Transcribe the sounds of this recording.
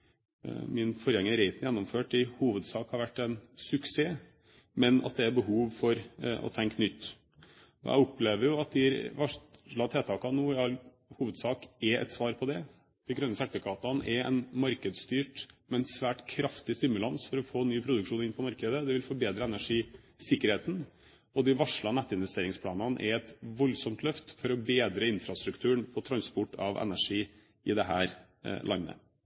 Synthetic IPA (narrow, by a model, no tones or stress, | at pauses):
mɪnfɔɾjɛŋːəɾɛɪt̪n̩jɛnːɔmføːʈɪhuːʋəd̪sɑːkhɑɾʋæʈːɛɪnsʉkseː | mɛnɑ̰t̪̚d̪ɛæɾbəɦuːʋfɔɾɔ̰t̪ʰɛŋknʏt̪ː | ɔ̰jʔæ̰ɪɔpleːʋəɾjʊɑt̪̚d̪ɪɾʋɑʂlɑt̪ʰeːt̪ʰɑːkɑnuːɪɑl | huːʋəd̪sɑːkɛɛ̰t̪sʋɑːɾpʰɔd̪ɛ | d̪̥ɪɡɾœnːəsɛt̪ːəkʰɑːt̪ɑnʔɛɛ̰ɪnmɑɾkəd̪st̪yːʈmɛɛnsʋæːʈkʰɾɑft̪ɪst̪ɪmʉlɑnsfɔɾɔfoːnyːpʰɾʊd̪ʉkʂuːnɪnpʰɔmɑɾkəd̪əd̪ɛʋɪlfɔɾbeːd̪ɾəɛnæʂiː | sɪkːəɾheːt̪n̩ | ɔd̪ɪʋɑʂɭɑnæt̪ːɪnʋɛst̪eːɾɪŋspʰlɑːnɑnʔɛ̰ɛt̪ʋɔlːsɔmt̪lœft̪fɔɾɔbeːd̪ɾəɪnfɾɑst̪ɾʉkt̪ʰʉːəɳpʰɔt̪ʰɾɑnspɔʈːɑʋɛ̰næʂiː | ʔɪd̪ɛɦæ̰ːɾ | lɑ̰nːə̰